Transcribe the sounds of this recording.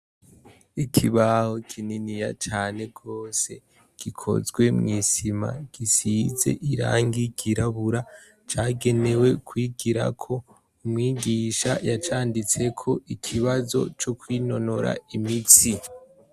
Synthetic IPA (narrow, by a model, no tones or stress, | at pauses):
ikʰiβaho̞kʰininija̰t͡ʃaːne̞ɡo̞ːse̞ | ɡ̥ikʰo̞̰zɡwe̞mŋiːsima̰ɡ̥isize̞̰ʔiɾa̰ːŋɡiɡiɾaβuɾa | t͡ʃaːɡe̞ne̞we̞kwiːɡiɾa̰kʰo̞ | umŋiːɡiːʃa̰jat͡ʃaːndit͡se̞kʰo̞ʔikʰiβazo̞̰t͡ʃo̞kwiːno̞no̞ɾa̰imit͡si